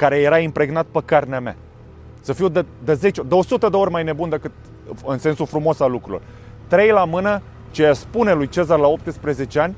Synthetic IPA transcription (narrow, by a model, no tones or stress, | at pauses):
kaɾe̞je̞ɾaimpɾe̞ɡnat̪̚pəkarneamea̰ | səfiwd̪ed̪eze̞t͡ʃod̪eo̞sut̪əd̪eo̞ɾʲmajne̞bund̪ekɨt̪̚ | ɨnse̞nsufɾumo̞salːukɾulor | t̪ɾe̞jlamɨnə | t͡ʃejaspune̞lujt͡ʃe̞zarlao̞p̚t̪ɨspɾeze̞t͡ʃe̞anʲ